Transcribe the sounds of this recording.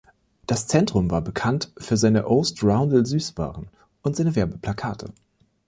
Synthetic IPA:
d̥ast͡sɛntʁ̥ʊmvaːɐbəkʰantfyːɐzaɪnəʔoʊstʁaʊ̃ndl̩zyːsv̥a̰ːʁən̩ | ʔʊntz̥aɪnəvɛɐbəpʰl̥akʰaːtʰə̰

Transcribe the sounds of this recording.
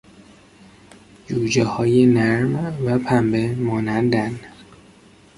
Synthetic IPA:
d͡ʒuːd͡ʒehɒːjenæɾmvæpʰæmbemɒːnænd̪æn

